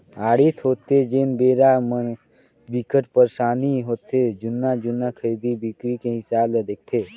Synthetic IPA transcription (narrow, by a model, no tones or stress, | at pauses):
aːɽit̪ʰɦoːt̪ed͡ʒeːnbeːɾamə | bikəʈpəɾʃaːniɦoːt̪ed͡ʒʊnːad͡ʒʊnːakʰəɾiːd̪ibikɾikeɦɪsaːbled̪eːk̚ʰt̪ʰeː